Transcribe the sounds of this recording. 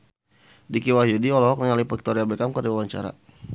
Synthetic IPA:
dikiwaɦjudiɔlɔɦɔk̚nəŋalipɛk̚t̪ɔɾiabɛkamkrdiwawaɲt͡ʃa̰ɾa̰

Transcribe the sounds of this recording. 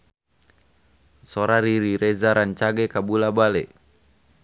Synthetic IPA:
sɔɾaɾiɾiɾɛzaɾant͡ʃaɡɛkabulabalɛ

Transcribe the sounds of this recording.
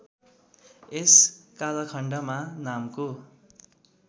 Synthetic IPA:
eskalʌkʰʌɳɖʌmanamko

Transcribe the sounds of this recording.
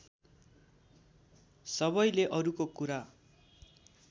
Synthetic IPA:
sʌbʌjleʔʌɾukokuɾa

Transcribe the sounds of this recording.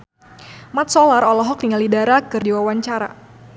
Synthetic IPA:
mat̪̚sɔlaɾɔlɔɦɔk̚diŋalidaɾakɨrdiwawaɲt͡ʃaɾa̰

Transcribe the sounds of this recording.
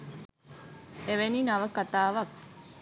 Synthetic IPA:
eʋeninɐʋəkat̪aːʋɐk̚

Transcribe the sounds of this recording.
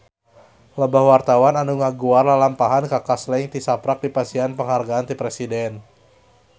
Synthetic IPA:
ləbahwart̪awananuŋaɡuarlalampaɦankakaslɛŋt̪isapɾak̚dipasianpəŋɦarɡaːnt̪ipɾesidɛn

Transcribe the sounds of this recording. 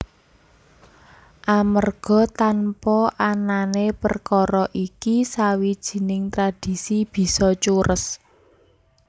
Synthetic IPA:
ʔamərɡ̥ɔ̤t̪anpɔʔananepə̰rkɔɾɔʔikisawid̥ʒ̥i̤nɪŋt̪ɾad̥i̤sib̥i̤sɔt͡ʃuɾə̰s

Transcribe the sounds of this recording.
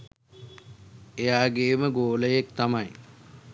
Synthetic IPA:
ejaːɡeːməɡoːləjek̚t̪amaj

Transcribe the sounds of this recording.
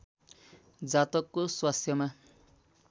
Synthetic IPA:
d͡zat̪ʌkːoswast̪ʰjʌma

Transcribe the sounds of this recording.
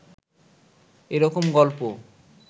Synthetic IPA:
eɾɔkomɡɔlpo

